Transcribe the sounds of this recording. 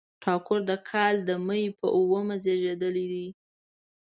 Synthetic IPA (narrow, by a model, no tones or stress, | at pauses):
ʈʰɑkʊɾd̪əkʰɑld̪əmajpə̰ʔuwəmazeʒed̪əlid̪i